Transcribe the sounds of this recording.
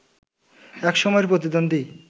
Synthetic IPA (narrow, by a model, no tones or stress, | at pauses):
ɛkʃɔmɔeɾp̬ɾot̪̬id̪ond̪ʱi